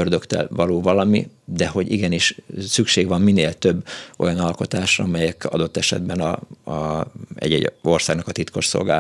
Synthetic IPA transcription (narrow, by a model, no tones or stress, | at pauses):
ørd̪ø̞kt̪ɛ̰lvɒloːvɒlɒmid̪ɛho̞ɟḭɡɛniʃsykʃeːɡvɒmːineːlt̪ø̞bːojɒnɒlko̞t̪aːʃrɒmɛjɛkɒ̰d̪o̞t̪ːɛʃɛ̰d̪bɛnɒ | ɛ̰ɟɛ̰o̞rsaːɡnɒkɒt̪it̪ko̞ʃso̰lɡaː